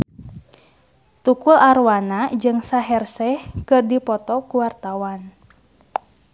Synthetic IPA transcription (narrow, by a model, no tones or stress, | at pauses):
t̪ukularwanad͡ʒɨŋsaɦɛrsɛhkɨrdipɔt̪ɔkuwart̪awan